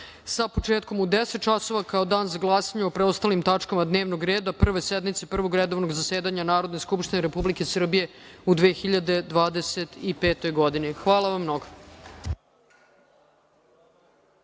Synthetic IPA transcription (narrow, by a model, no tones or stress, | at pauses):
sapo̞t͡ʂeːt̪̚ko̞mud̪eset̪̚t͡ʃaso̞ʋakaod̪aːnzaɡlˠaːsaɲeopɾeost̪aːlimt̪at͡ʂkamad̪neːʋnoɡɾeːd̪apr̩ʋe̞sed̪mit̪se̞pr̩ʋo̞ɡɾed̪o̞ʋnoɡzaseːd̪aɲanaːɾo̞d̪neskupʃt̪ineɾepublike̞sr̩bije̞ud̪ʋeːxiʎad̪e̞d̪ʋaːd̪eset̪ipeːt̪o̞jɡo̞d̪inixʋaːlˠaʋamːnoɡo